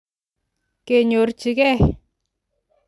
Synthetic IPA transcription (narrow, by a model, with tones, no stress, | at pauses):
ke˨ɲo˨rt͡ʃi˨kɛ˦